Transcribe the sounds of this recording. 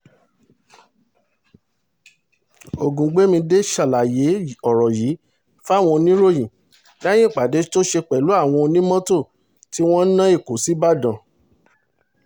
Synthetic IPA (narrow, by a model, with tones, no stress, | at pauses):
o˨ɡũ˨ɡ͡be˨˦mĩ˧de˦ʃa˨la˨je˨˦ɔ˦˨ɾɔ˨jiː˨˦ | fa˦˨w̃ɔ̃˧nĩ˦ɾo˦˨jĩ˨ | da˦j̃ĩ˦˨k͡pa˨de˨˦to˦ʃe˧k͡pɛ˨lu˨˦a˦˨w̃ɔ̃˧nĩ˦mɔ̃˦to˦˨ | ti˦w̃ɔ̃˦nã˦i˦˨ko˨si˨˦ba˦˨dã˨